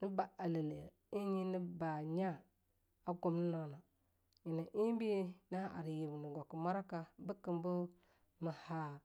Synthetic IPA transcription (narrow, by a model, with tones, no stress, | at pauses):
ni˦ba˨a˨le˨le˨ | i˦ɲi˦ni˦ba˨ɲa˦˨ | a˦ɡu˨mnə˦na˨na˨ | ɲi˨na˨ʔi˦bi˦na˦ʔa̰˨ɾi˨ji˨bni˨ɡo˨ki˨ma˦ɾa˦ka˦bə˦kə˨mbu˦ | mə˨ha˦